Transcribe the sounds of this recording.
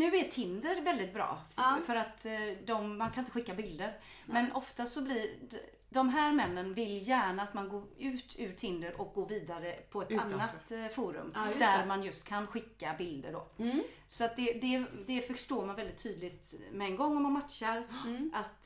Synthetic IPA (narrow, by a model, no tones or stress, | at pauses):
nʉ̟ːæt̪ʰɪnd̪əɾvɛld̪ɪt̪̚bɾɑ̰ːfœɾat̪d̪ɔmːankʰanɪnt̪əɧɪkːabɪld̪əɾ | mɛnʔɔft̪asɔblɪɾ | d̪ɔmɦæːɾmɛnːənvɪljæːɳaːt̪manɡoːʉ̟ːt̪ʰʉ̟ːɾt̪ʰɪnd̪əɾʔɔk̚ɡoːviːd̪aɾəpʰɔɛt̪anːat̪fuːɾɵ̰md̪æɾmanjɵst̪kʰanɧɪkːabɪld̪ə̰ɖo̰ː | sɔat̪̚d̪ɛd̪ɛd̪ɛfœʂʈoːɾmanvɛld̪ɪt̪ʰːyːd̪lɪt̪mɛɛnɡɔŋːɔmːanmat̪ʃaɾʔat̪